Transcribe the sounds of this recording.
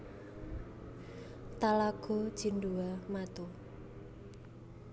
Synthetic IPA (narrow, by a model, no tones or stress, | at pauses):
t̪alaɡ̥ɔ̤d̥ʒ̥i̤ɳɖuamat̪o